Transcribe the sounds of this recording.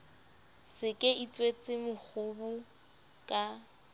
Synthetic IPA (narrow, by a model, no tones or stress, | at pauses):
sɪkʼɪʔit͡sʼwet͡sʼɪmʊk͡xʰʊbʊ | kʼa